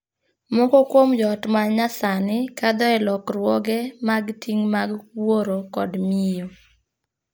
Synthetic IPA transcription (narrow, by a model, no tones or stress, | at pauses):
mɔkɔkwomd͡ʒɔtmaɲasanɪkad̪ɔɛlɔkɾwɔɡɛmaɡtʰiŋmaɡwoɾokɔ̰dmijo